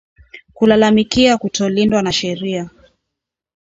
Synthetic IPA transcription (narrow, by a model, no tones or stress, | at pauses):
kulalamikiakutɔlindwanaʃɛɾia